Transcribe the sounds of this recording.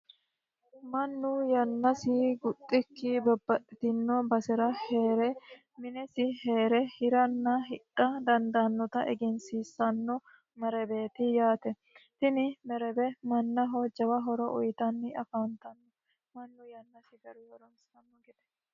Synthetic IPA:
mɐnːʊjɐnːɐsɪɡʊt̪ʼːɪkːibɐbːɐʔt̪ɪnːobɐsɛɾɐheːɾɛ | mɪnɛsɪheːɾɛhɪɾɐnːɐɦɪᶑːɐd̪ɐnd̪anːɔt̪ɐʔɛɡɛnsiːsːɐnːɔ | mɛɾɛbeːt̪ɪjaːt̪ɛ | t̪ɪnɪmɛɾɛbɛmɐnːɐɦod͡ʒɐwɐɦɔɾɔʔɔ̰jɪt̪ɐnːɪɐfaːnt̪ɐnːɔ | mɐnːʊjɐnːɐsɪɡɐɾʊwɐɾɔnsɐnːɐɡɛd̪ɛ̥

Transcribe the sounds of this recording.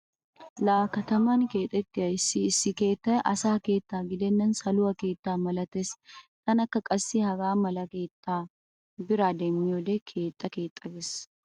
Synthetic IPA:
laːkɐt̪ɐmanke̞ːt̪ʼɛt̪ːɪɐɪsiːsɪke̞ːt̪ːɐʔɐsaːke̞ːt̪ːaːɡɪd̪enːɐnsɐlʊɐke̞ːt̪ːaːmɐlɐt̪est̪ɐnɐkːɐkʼɐsːihɐɡaːmɐlɐkeːt̪ːaː | bɪɾaːd̪eːmːɪɔd̪ekʰeːt̪ʼːɐke̞ːt̪ʼːɐbɛs

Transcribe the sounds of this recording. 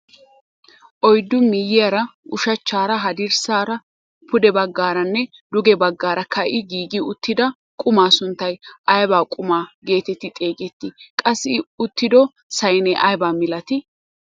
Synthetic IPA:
ʔɔjd̪ːʊmɪjːɪjɐɾɐʔʊʃɐt͡ʃːaːɾɐɦɐd̪ɪɾsaːɾɐ | pʊd̪ɛbɐɡːaːɾɐnːɛ | d̪ʊɡɛbɐɡːaːɾɐkʰɐʔɪɡiːɡɪʊt̪ːɪd̪ɐ | kʼʊmaːsʊnt̪ːɐjʔɐjbaːkʼʊmaːɡe̞ːt̪ɛt̪ːɪt̪ʼe̞ːɡʼɛt̪ːɪkʼɐsːɪʊt̪ːɪd̪ɔ | sɐjnɛʔɐjbaːmɪlɐt̪ɪ

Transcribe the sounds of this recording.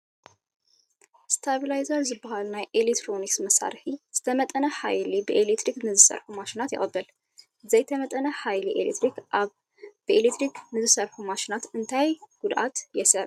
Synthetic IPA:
st̪ʰabilajzaɾzɨbahalnajʔelekt̪ʰɾoniksməsa̰ɾħiz̥ɨ̥t̪ʰəmət̪ʼənəha̰jlibəʔelet̪ɾiknɨzɨsə̰ɾħumaʃɪnat̪jɪ̰kʼəbːəl | zɐjt̪ʰəmət̪ʼənəhajliʔḛlḛt̪ʰɾikʔaβ | b̥əʔelet̪ɾikmɨzɨsəɾħumaʃɪnat̪ɨnt̪ʰajɡ̥ud̪ʔat̪jɛsəɾ

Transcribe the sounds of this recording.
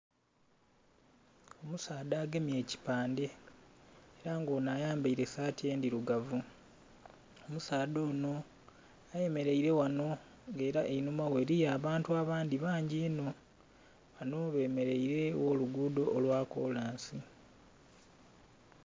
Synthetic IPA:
o̞musaːdaːɡemje̞ːci̥paːnde̞ | eɾaŋɡo̞ːnaːjaːmbaiɾe̞saːtie̞ːndiɾuɡavu | omusaːdo̞ːno̞ | aje̞me̞ɾe̞iɾe̞wano̞ | ŋɡe̞ːɾaʔeinumawe̞ːɾijaːβaːntuaβaːndiβaːɲɟiːno̞ | βano̞βe̞ːme̞ɾe̞iɾe̞woluɡuːdo̞ʔːlwaːko̞̰ːlaːnsi

